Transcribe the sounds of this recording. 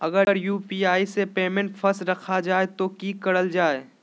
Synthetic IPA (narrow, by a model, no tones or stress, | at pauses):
ɐɡəɾjuːpiːaːisepeːmẽɳʈfʰɐsɾɐkʰad͡ʒaːet̪okikɐɽəld͡ʒaːe